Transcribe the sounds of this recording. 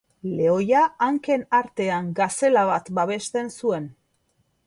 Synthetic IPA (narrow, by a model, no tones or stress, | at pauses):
le̞o̞jaːŋke̞naɾt̪e̞aŋɡase̞laβat̪baβ̞e̞st̪e̞nsue̞n